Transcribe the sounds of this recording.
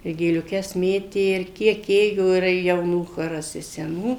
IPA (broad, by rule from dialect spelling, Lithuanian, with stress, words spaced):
ɪ ɡʲeːlʲʊˈkʲɛs ˈmʲeːtʲeː ɪr ˈkʲiɛk ˈeːjoː ɪr jɛʊˈnuː ˈxoːrɐs ɪ sʲɛˈnuː